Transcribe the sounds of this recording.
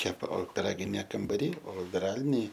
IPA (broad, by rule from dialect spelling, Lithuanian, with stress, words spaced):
ˈkʲæːpɐ oː pʲɪˈrɑːɡʲɪnʲeː kɐmbɐˈrʲiː oː ʋʲɪˈrɑːlʲɪnʲeː